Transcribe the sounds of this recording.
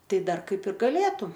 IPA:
ˈtɐɪ ˈdɐr ˈkɐɪp ɪr ɡɐˈlʲeːtʊ

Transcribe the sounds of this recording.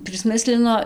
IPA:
pʲrʲɪsʲˈmʲɪsʲlʲɪnoː

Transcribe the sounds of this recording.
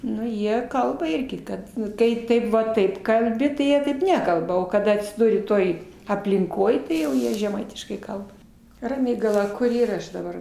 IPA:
ˈnʊ ˈjiɛ ˈkɐlˠbɐ ˈɪrʲɡʲɪ ˈkɐt nʊ ˈkɐɪ ˈtɐɪp ʋɐ ˈtɐɪp kɐlʲˈbʲɪ tɐɪ ˈjiɛ tɐɪp ˈnʲæːkɐlˠbɐ oː kɐˈdɐ ɐtʲsʲɪˈdʊrʲɪ ˈtoːj ɐpʲlʲɪŋˈkoːj tɐɪ jɛʊ ˈjiɛ ʒʲɛˈmɐɪtʲɪʃkɐɪ ˈkɐlˠbɐ rɐˈmʲiːɡɐlˠɐ ˈkʊr ˈiːrɐ ˈɐʃ dɐˈbɐr

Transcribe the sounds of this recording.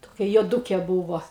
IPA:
toːˈkʲɛ juɔˈduːkʲɛ ˈbuːʋoː

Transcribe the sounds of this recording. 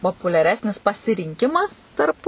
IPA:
poːpʊlʲɛˈrʲæːsʲnʲɪs pɐsʲɪrʲɪŋʲˈkʲɪmɐs tɐrp

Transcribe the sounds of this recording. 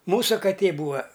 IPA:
ˈmuːsʊ kɐˈtʲeː ˈbuːɐ

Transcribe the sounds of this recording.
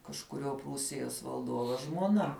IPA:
kɐʃkʊˈrʲuɔ ˈpruːsʲɪjoːs ʋɐlˠˈduɔʋoː ʒmuɔˈnɐ

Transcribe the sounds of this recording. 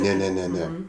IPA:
nʲɛ nʲɛ nʲɛ ˈnʲɛ

